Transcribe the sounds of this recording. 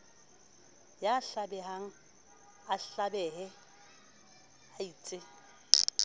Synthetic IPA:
jaɬabɛɦaŋ̩ | aɬabɛhɛ | aiːt͡sʼɪ

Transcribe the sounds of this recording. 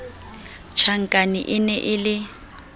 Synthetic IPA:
t͡ʃʰaŋ̩kʼanḭʔɪnɛʔɪlɪ

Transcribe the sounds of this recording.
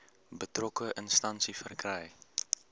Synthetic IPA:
bətrɔkəʔənstɐnsifərkrɛj

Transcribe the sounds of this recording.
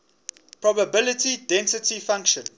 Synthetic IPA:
pʰɹɔbəbɪlətidɛ̃nsətʰifãŋkʃə̃n

